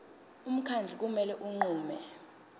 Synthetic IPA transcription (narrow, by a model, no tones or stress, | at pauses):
um̩kʰand͡ɮʱik̬ʼumɛlɛʔuŋ͡ǃuːmɛ